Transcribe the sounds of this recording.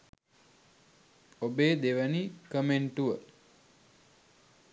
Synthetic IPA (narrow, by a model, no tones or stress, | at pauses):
obeːd̪eʋənikəmeɳʈuʋə